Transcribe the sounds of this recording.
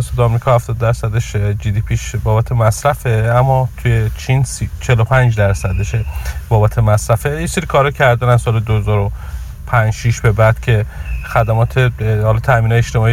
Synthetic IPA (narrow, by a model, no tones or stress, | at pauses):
esed̪ɒmɾikʰɒːhæft̪ɒːd̪ːæɾsæd̪eʃd͡ʒid̪ipʰiːʃbɒːbæt̪ʰe̞mæsɾæfe̞æmːɒt̪ʰujet͡ʃʰinsit͡ʃʰe̞lopʰænd͡ʒd̪æɾsæd̪eʃebɒːbæt̪ʰe̞mæsɾæfe̞jeseɾikʰɒːɾɒcʰæɾd̪ænæzsɒːled̪ohezɒːɾo | pʰænd͡ʒʃiʃbe̞bæd̪̥cʰe̞xæd̪æmɒːt̪ʰehɒlɒːt̪ʰæmiːnɒjeʃt̪e̞mɒːi